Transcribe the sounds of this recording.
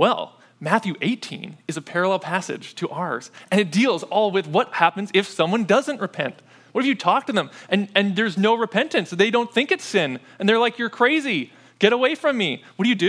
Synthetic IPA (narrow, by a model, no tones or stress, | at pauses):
wɛ̰lˠ | mæθjʉʔeɪtʰḭ̃nɨzɨpʰɛɹəlɛlˠpʰæsɨ̰d̥ʒ̥tʰɨʔə˞z̥ɨ̃ñɨt̚d̥ilˠzɔlˠwɨðwʌt̚hæpɨ̃n̩zɪfsʌ̃mwʌ̃ndʌzɨ̃nʔɹɨpʰɛ̰̃nʔ | wʌɾ̚hɨvjɨtʰɔk̚tɨðə̃mʔɨ̃nɨ̃nðə˞znoʊɹɨpʰɛ̃ntɨ̃nsðeɪɾõʊ̃nθɪ̃ŋkɨtsɪ̃n | ɨ̃nðə˞laɪkjə˞kʰɹ̥eɪzi | ɡ̥ɛɾəweɪfɹʌ̃mːiwʌt̚d̥ɨjɨdɨ